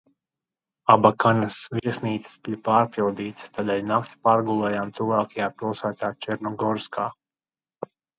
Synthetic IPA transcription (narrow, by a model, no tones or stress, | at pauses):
abakanasvʲiɛsniːt̪ssbijpaːɾpʲilˠd̪iːt̪st̪aːd̪ɛːlʲnakt̪ʲi̥paːɾɡulˠɛːjaːmt̪uvaːkajaːpilˠsaːt̪aːt͡ʃɛɾnɔɡɔɾskʰaː